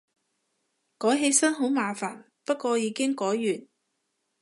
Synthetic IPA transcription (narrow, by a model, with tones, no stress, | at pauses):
kɔː˨˥jɦe˧jsɐ˥nɦo˨˥wmaː˨faː˨˩n | pɐ˥t̚kɔː˧jiː˨˧kɪ˥ŋkɔː˨˥jːyː˨˩n